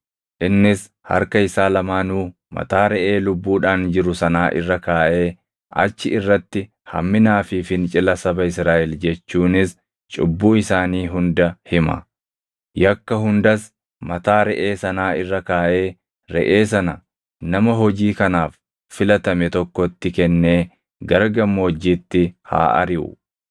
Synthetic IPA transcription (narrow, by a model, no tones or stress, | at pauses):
ʔɪnːɪs | hɐ̰ɾkɐɪsaːlɐmaːnuː | mɐ̰t̪aːɾɛʔe̞ːlʊbːuːᶑaːnd͡ʒɪɾʊsɐnaːʔɪ̰rːɐkaːʔe̞ː | ʔɐ̰t͡ʃːɪɪrːɐt̪ːɪ | hɐ̰mːɪnaːfɪfɪnt͡ʃʼɪlɐsɐbɐɪsɾaːʔɛld͡ʒɛt͡ʃːuːnɪs | t͡ʃʼʊ̰bːuːɪsaːniːɦʊnd̪ɐhɪmɐ̰ | jɐkːɐɦʊnd̪ɐs | mɐt̪aːɾɛʔe̞ːsɐnaːɪrːɐkaːʔe̞ː | ɾɛ̰ʔe̞ːs̬ɐnɐ | nɐmɐɦɔd͡ʒiːkɐnaːfː | ɪlɐt̪ɐmɛt̪ɔkːɔt̪ːɪkɛnːe̞ː | ɡɐɾɡɐmːoːd͡ʒiːt̪ːɪha̰ːʔɐ̰ɾɪʔʊ̰